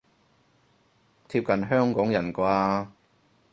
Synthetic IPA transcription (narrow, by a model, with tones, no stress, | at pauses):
t̪ʰiː˧p̚kɐ˨nɦœː˥ŋkɔː˨˥ŋjɐ˨˩nkʷaː˧